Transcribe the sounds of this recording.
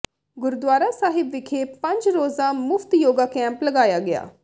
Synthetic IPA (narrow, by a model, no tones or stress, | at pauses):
ɡʊɾd̪ʋaːɾaːsaːɦɪbʋɪkʰeːpə̃ɲd͡ʒɾoːzaːmʊft̪joːɡaːkɛ̃ːmpləɡaːjaːɡɪa̰ː